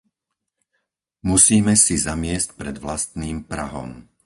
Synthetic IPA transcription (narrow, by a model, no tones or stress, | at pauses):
musiːmɛsizamɪɛsc̚pɾɛd̪ʋlast̪niːmpɾa̰ɦɔ̰m